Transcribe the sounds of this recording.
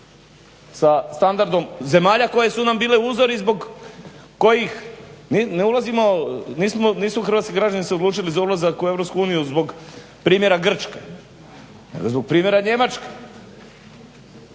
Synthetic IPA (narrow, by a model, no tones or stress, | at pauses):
sast̪and̪aɾd̪o̞mze̞maːʎako̞je̞sunambiːleuzo̞ɾizbo̞ɡ | ko̞jixnineulˠazimo̞niːsmoniːsmoxɾr̩ʋat̪skiɡɾad͡ʑaniseod̪luːt͡ʃilizaulˠazakue̞vɾopskuuːnijuzbo̞ɡ | pɾiːmjeɾaɡr̩t͡ʃke | nḛɡozbo̞ɡ̚pɾiːmje̞ɾaɲe̞mat͡ʃke̥